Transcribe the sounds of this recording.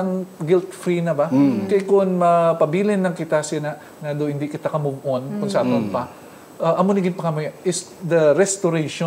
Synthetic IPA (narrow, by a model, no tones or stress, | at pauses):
ɐŋɡɪlt̪fɾinɐbakɐjkʊŋmɐpɐbiːlɪnːɐŋkɪt̪asɪnɐʔ | nad̪ohɪnd̪ikɪt̪akɐmʊɡʔonkʊŋsɐaːt̪ɐnpɐ | ʔɐʔɐmʊnɪɡɪnpɐkɐmoʔɪsd̪ɐɾɛst̪oɾɛjʃo